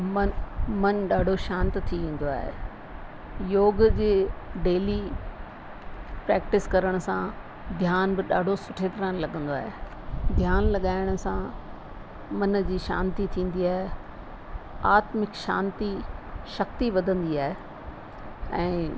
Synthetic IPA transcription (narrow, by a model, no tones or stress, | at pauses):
mɐnmɐnɗaːɖʱoʃãːnt̪t̪ʰiʋẽːn̆d̪oa̰ːɦḛ | joːɡd͡ʑeːɖeːli | pɾɛːk̚ʈɪskɐɾəɽ̃ʊ̆sã | d̪ʱjaːnbɪɗa̰ːɖʱosʊʈʰeːt̪ɾaːnlɐɠə̃nd̪oaːɦe | d̪ʱjaːnlɐɠaːɪɽ̃ʊsã | mɐnd͡ʑiːʃã̰ːnt̪it̪ʰĩːn̆d̪iaːɦe | aːt̪mɪkʃã̰ːnt̪iʃɐk̚t̪iʋɐd̪ʱə̃nd̪iaːɦe | ɛ̃ː